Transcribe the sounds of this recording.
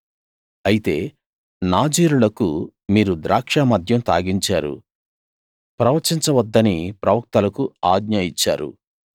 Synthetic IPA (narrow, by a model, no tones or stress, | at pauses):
ɐjit̪e̞ː | naːd͡ʒiːɾulɐku | miːɾud̪ɾʔaːkʂaːmɐd̪ʱjɐmt̪a̰ːɡiɲt͡ʃaːɾṵ | pɾɐʋɐt͡ʃiɲt͡ʃɐʋɐd̪ːɐnipɾɐʋɐk̚t̪ɐlɐkuaːɡɲɐit͡ʃːa̰ːɾṵ